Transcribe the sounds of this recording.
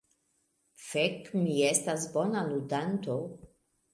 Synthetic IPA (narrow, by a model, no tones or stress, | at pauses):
fekmiestasbo̞naludanto̞